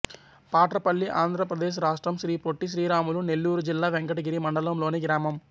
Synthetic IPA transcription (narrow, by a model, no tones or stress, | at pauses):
paːʈɾɐpɐɭːiʔaːnd̪ʱɾɐpɾɐd̪eːʃ̬ɾaːʂʈɾɐmʃɾiːpoʈːiʃɾiːɾaːmulunelːuːɾud͡ʒilːaːʋeŋkɐʈɐɡiɾimɐɳɖɐlɐmlo̞ːneɡɾaːmɐm